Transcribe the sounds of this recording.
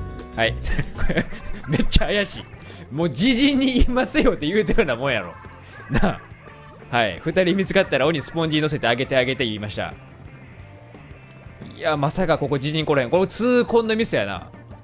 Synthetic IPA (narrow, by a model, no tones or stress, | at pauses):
haikoɾeme̞t͡ɕːaːjaɕi | moːd͡ʑiʑĩɲ̟ːiimasɨjo̞t̪ːe̞jɯ̟ːt̪aɾɯnamõ̞ɰ̃jaɾo̞̰ | na | haḭɸɯ̟t̪aɾʲimʲit͡sɨkat̪ːaɾao̞ɲ̟isɨ̥põɲ̟d͡ʑiɲino̞s̬e̞t̪e̞aɡe̞t̪e̞aɡe̞t̪e̞iːmaɕi̥t̪a̰ | amasakako̞ko̞d͡ʑiʑiɲ̟ːiko̞ɾoheŋkoɾet͡sɨːkõ̞nːomʲisejana̰